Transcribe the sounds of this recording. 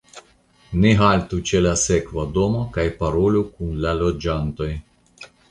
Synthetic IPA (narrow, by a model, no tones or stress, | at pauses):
neɦalt̪ut͡ʃelasekvad̪o̞mokajpaɾolukunlalod͡ʒant̪o̞j